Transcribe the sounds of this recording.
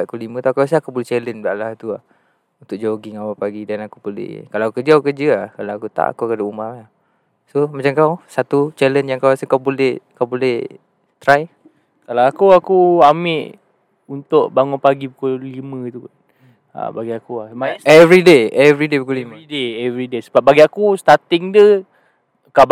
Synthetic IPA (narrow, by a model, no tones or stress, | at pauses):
akulimə̃t̪akaws̬əakubolɛht͡ʃɛlənbaʔlaht̪ua̰h | unt̪ʊk̚d͡ʒaɡiŋawapaɡidanakupəlɪ̰hkalakukəd͡ʒəakukəd͡ʒəahkalawakut̪a̰ʔa̰kukadoʔumaa | somat͡ʃamkawsat̪ut͡ʃɛlənjaŋkawasəkawbolɛhkawbolɛh | t̪ɾaj | kalawakuakuamɪʔ | unt̪ʊʔbaŋʊnpaɡipukulimə̃t̪uk | a̰baɡiakuahmaɛvɾideɛvɾidepukulimadeɛvɾidesəbap̚baɡiakust̪at̪ɪŋdə | kawb